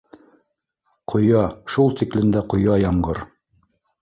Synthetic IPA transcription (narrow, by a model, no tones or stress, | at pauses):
qʰŏjɑʃulˠt̪iklɘ̆nd̪æqŏjɑjɑɴɢɤɾ